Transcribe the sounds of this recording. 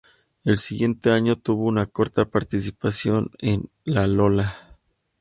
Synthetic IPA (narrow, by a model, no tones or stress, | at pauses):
e̞lsiɣje̞nt̪e̞aɲo̞t̪uβo̞unako̞ɾt̪apaɾt̪isipasjo̞nen | lalola